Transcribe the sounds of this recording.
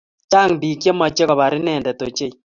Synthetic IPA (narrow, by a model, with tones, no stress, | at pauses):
t͡ʃa˦˨ŋbi˨kje˦ma˨t͡ʃe˦kɔ˨βa˨ɾɪ˦nɛː˨ndɛ˨to˨t͡ʃe˦i˦